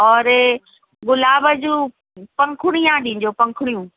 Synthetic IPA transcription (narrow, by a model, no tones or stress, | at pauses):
ɔːɾ | ɡʊlaːbəd͡ʑũː | pɐ̃ŋkʰʊɽ̃ijãɗĩːɲ̆d͡ʑoːpɐ̃ŋkʰʊɽ̃ijũː